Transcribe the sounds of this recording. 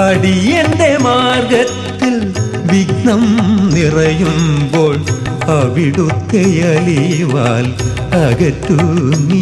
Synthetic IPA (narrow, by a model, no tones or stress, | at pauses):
ɐɽijɛnd̪ɐmaːɾɣɐt̪ːɪl | ʋɪɡnɐmnɪrɐjɯmboːɭ | ɐʋɪɽɯt̪ːɛjɐliʋaːl | ɐɣɐʈːumi